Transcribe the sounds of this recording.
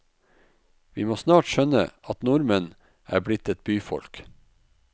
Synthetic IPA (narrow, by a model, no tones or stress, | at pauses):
ʋiːmoːsnɑːʈʃœnə̰ʔɑt̪nʊɾmən | ʔæ̰ːblɪt̪ɛt̪̚byːfɔ̰lk